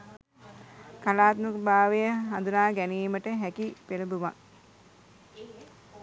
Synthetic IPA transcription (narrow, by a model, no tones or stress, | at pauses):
kalaːt̪mukbaːʋejəɦand̪unaːɡæniːməʈəɦækipeləbuʋaŋ